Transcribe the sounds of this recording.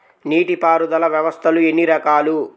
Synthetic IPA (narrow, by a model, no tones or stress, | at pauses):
niːʈipaːɾud̪ɐlɐʋjɐʋɐst̪ʰɐlue̞nːiɾɐkaːlu